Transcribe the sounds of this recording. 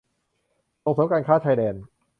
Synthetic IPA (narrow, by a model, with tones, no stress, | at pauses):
so˨˩ŋsoː˨˦kaː˧nkʰaː˥˩t͡ɕʰaː˧jdɛː˧n